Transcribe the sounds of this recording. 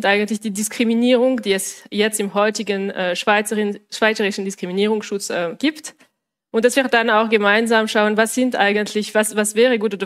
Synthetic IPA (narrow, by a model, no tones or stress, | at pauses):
ntʔaɪɡən̩tlɪçd̥iːdɪskʁ̥iminiːʁʊŋd̥iːɛsjɛt͡stɪmhɔʏtɪɡənʔɛːʃvaʃv̥aɪt͡səʁɪʃn̩dɪskʁ̥iminiːʁ̞ʊŋsʃʊt͡sʔɛːmɡ̥iːpt | ʔʊntd̥asviːɐd̥anaʊxɡ̥əmaɪnzaːmʃaʊənvasz̥ɪntʔaɪɡəntʰlɪçv̥asvasv̥ɛːʁəɡuːtoːdɐ